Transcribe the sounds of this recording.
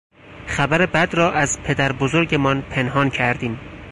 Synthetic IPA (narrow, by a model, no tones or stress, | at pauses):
χæbæɾebæd̪rɒːʔæzpʰe̞d̪æɾbozo̞ɾɟemɒːnpʰe̞nɦɒːncʰæɾd̪iːm